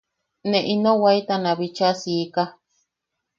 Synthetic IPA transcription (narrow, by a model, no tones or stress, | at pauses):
nẽʔinõwait̪anãβit͡ʃasika